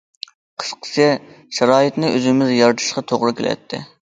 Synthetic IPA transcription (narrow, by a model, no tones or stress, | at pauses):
qʰə̥sqʰə̥t͡ʃʰɪ | ʃɑɾɑːjit̪nɨʔøzɪmɪzjɑɾt̪ʰɨ̥ʃqɑt̪ʰoʁɾɨkʲelʔɛ̰t̪ʰːɪ̰